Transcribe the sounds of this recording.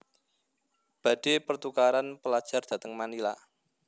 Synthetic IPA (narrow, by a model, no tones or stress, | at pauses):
b̥ä̤d̥e̤pərt̪ukaɾanpəlad̥ʒ̥a̤rd̥a̤t̪əŋmanila